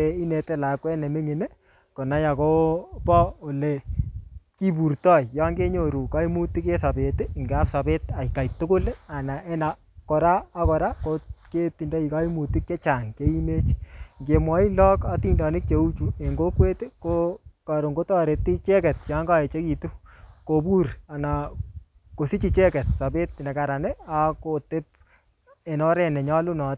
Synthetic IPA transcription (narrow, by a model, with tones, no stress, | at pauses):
e˦i˦ne˨te˦la˨kwɛ˦ne˨mi˦ŋe˨ne˦ | ko˨na˦ja˨ko˦pɔ˦o˨le˨ | ki˦pu˨ɾtɔ˦i˨ja˦ŋɡe˦ɲo˨ɾu˨ka˦i˦mu˦ti˦ke˦sa˨pe˨tɪ˦˨ŋɡa˦psa˨pe˦ta˨ika˨jtʊ˦kʊ˦la˨na˨ʔe˦na˨ | ko˨ɾaː˦kɔ˨ɾa˦ko˦ke˦ti˨ndɔ˦i˨ka˦i˦mu˨ti˦k̚t͡ʃe˦t͡ʃa˨ŋke˦i˦me˦t͡ʃŋɡe˨mwɔ˨˦i˦lɔ˦ka˦ti˦ndɔ˨nɪ˦k̚t͡ʃe˦u˦t͡ʃu˨e˨ŋɡo˦kwe˦te˦ko˦ka˨ɾo˨ŋɡo˦tɔ˦ɾe˨tːi˦t͡ʃɛ˦kɛ˨t̚t͡ʃa˨˦ŋɡa˦ɛ˨t͡ʃe˦ki˨tu˦ko˨bu˦ɾa˨na˨ | ko˨si˦t͡ʃi˨t͡ʃɛ˦kɛ˨tsa˨be˦tnɛ˨ka˨ɾa˨nɛ˦a˦ko˨te˦p̚ | e˨nɔ˦ɾɛ˦nɛ˨ɲɔ˦lu˦nɔ˨t